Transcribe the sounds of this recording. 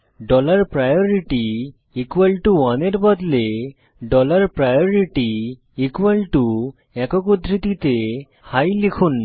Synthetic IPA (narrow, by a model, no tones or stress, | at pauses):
ɖɔlaɾpɾajoɾiʈi | ikwalʈuɔneɾbɔd̪le | ɖɔlaɾpɾajoɾiʈiː | kwalʈu | ɛkɔkud̪ʱɾit̪it̪e | hajlikʰun